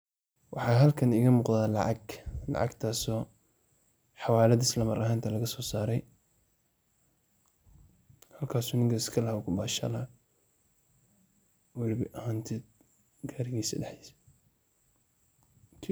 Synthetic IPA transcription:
wɑħɑːɦɐlkʰɐnɪɣɐmuːqðaːlɑ̰ʕɑ̰ɡlɑ̰ʕɑ̰ɡt̪ʰaːsɔː | ħɑwaːlɐðɪslɐmɐɾɐɦaːnt̪ʰɐlɐɣɐsɔːsaːɾɛj | hɐlkʰaːsuːnɪŋkʰɐɪskʰɐlɐhʊkʰʊbaːʃɐ̰lɐ | wɛlɪbɪʔɐhaːnt̪ʰɛːd̪̚ | ɡaːɾɪɣiːsɐ̰ɖɛħis

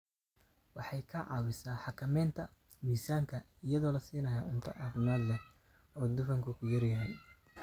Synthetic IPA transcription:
wɑħɑjkʰɐʕɑ̰ːwɪsaːħɑkʰɐmɛːnt̪ʰɐ | miːsaːŋkʰɐ | ɪjɐðɔːlɐsiːnɐjaːʕʊnt̪ʰɐʔaːfɪmaːd̪lɛ | ɔːd̪ʊfɐŋkʰʊkʰʊjɐɾɪjaːn

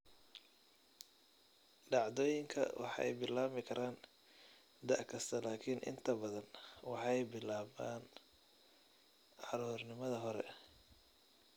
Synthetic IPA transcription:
ɖɑʕðɔːjɪŋkʰɐ̰wɑ̰ħɛ̰jbɪlaːmɪkʰɐɾʔaːn | d̪ɐʕkʰɐst̪ʰɐlaːkʰiːnʔɪ̰nt̪ʰɐbɐðɐnwɑħɑjbɪlaːβa̰ːn | ʕɑɾuːrnɪmɐðɐɦɔɾɛ̰

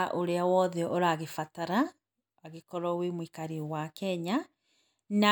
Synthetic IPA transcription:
ʔoɾeawɔðɛʔoɾaːɣefataɾaː | ɣekɔɾɔwemwikaɾiwakɛɲa | na

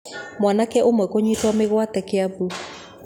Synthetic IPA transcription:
mwanakɛʔomwɛkoɲitwameɣwatɛkeabu

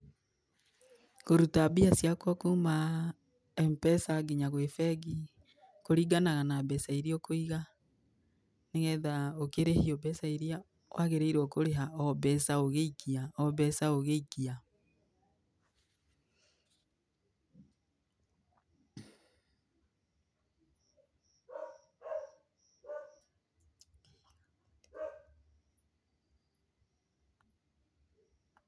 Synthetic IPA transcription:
koɾutabiasiakwakuma | ɛmpɛsaɡiɲaɣwefɛɡi | koɾiɡanaɣanabɛsaiɾiɔkoiɣa | neɣɛðaokeɾehiɔbɛsaiɾia | wʔaɣeɾeiɾɔkoɾeɦaɔbɛsaoɣeikiaɔβɛsaoɣeikia

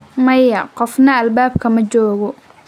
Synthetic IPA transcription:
mɐjɐqɔfnɐːlbaːb̚kʰɐmɐd͡ʒɔːɣɔ

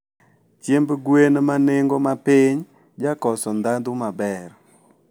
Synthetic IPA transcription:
t͡ʃjembɡwenmanɪŋɡomapɪɲ | d͡ʒakɔsɔnd̪and̪umabɛr

